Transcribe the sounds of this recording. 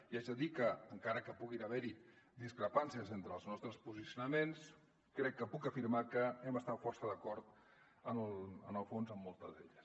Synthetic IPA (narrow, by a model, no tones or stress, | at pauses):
iaʒəðikəːŋkaɾəkəpuɣinəβɛɾi | d̪iskɾəpansiəzent̪ɾəːlˠznɔst̪ɾəspuzisiunəmens | kɾɛkːəpukəfiɾmakəɛməst̪afɔrsəðəkɔɾt̪ | ənələ̰nəlˠfonzəmːɔlˠt̪əzðeʎəs